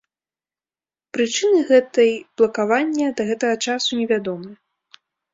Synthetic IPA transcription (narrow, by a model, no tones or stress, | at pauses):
pɾɨt͡ʂɨnɨɣɛt̪ɐjb̥lˠɐkavanʲːɐd̪ɐɣɛt̪ɐɣɐt͡ʂasunʲɛvʲad̪ɔmɨ